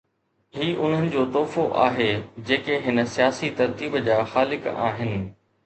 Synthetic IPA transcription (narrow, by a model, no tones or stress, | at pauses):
ɦiːʔʊn̤ənɪ̆d͡ʑoːt̪ɔːfoʔa̰ːɦed͡ʑeːkeɦɪnə̆sijaːsit̪ɐɾt̪iːbd͡ʑaːxaːlɪka̰ːɦɪnɪ̆